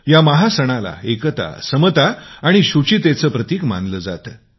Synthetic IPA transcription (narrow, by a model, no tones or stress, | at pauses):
jaməɦasəɽ̃ala̰ekət̪a̰səmət̪aːɽ̃iɕut͡ɕit̪et͡səːpɾət̪iːkma̰nd̪ləːd͡za̰t̪ə